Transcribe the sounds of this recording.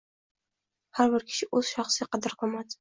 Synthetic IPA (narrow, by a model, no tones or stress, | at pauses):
haɾbɪɾkʲʰɪ̥ʃɪʔɵz̥ʃɑχsɪqʰɑd̪ɪɾqʰɒmad̪ɪ̥